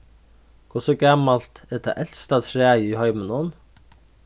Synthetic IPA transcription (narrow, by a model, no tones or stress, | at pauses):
kʰʊsɔɡɑmalt̪ɛd̪ʰæ̰ʔɛlst̪ɑt̪ʰɾæːjəiːhœʏmənɔn